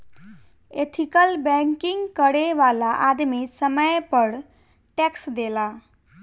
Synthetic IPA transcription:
et̪ʰikəlbɛŋkiŋɡkəɽeʋalaʔad̪misəməjpəɾ | ʈeksd̪ela

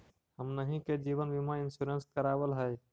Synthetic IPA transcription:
həmnəɦĩked͡ʒiːʋənbimãɪnsuɾənskəɾaːwəlɦɛː

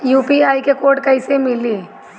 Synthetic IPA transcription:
juːpiaːikekoːɾʈkɐɪsemɪliː

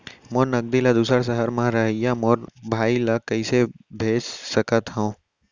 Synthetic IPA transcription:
moːnɐɡ̚d̪ilad̪uːsəɾs̬əɦəɾmãɾɐɦəjamoːɾbʱaːilɐkɐisebʱeːssəkət̪ɦõ

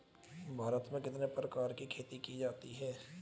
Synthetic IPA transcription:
bʱaːɾət̪mẽkɪt̪nepɾəkaːɾkikʰeːt̪ikid͡ʒaːt̪iɦɛː

